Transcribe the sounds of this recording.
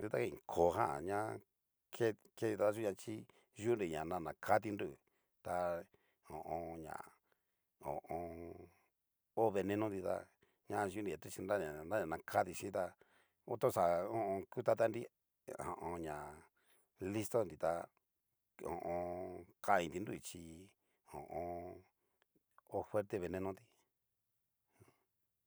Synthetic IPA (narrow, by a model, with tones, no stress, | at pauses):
d̪i˧t̪a˦ke˧ĩ˨kʰo˨ɦã̰˦˨ɲã˦ | kʰe˦ | ke˧˦i˧a˧t̪a˦ʒu˦ɲã˧t͡ʃi˦ | ʒu˦nɾi˨ɲã˨nã˧nã˨kʰa˦t̪̬i˧nɾu˦˨ | t̪a˧ | õ̰˨ʔõ˧ɲã̰˨ | õ̰˨ʔõ˧ | o˦βe˧nẽ˧nõ˦nd̪i˧t̪a̰˧ | ɲã˧ʒu˦ndi˨a˨t̪u˦˧t͡ʃi˧nɾa˦˨ɲã˨na˦ɲã˨nã˧kʰa˦t̪i˧ʃĩ˦t̪a˧ | o˦t̪o˦sa˨õ˦˧õ˧ku˦t̪a˦t̪a˦nɾi˦ | ã̰˨ʔõ˧ɲã˨ | li˦st̪o˦nd̪i˧t̪a˧ | õ̰˨ʔõ˧kʰa˦˧ĩ˧t̪i˧nd̪u˦i˧˨t͡ʃi˧ | õ̰˨ʔõ˧ | o˦fwe˦ɾt̪e˧βe˧nẽ˧nõ˦d̪i˧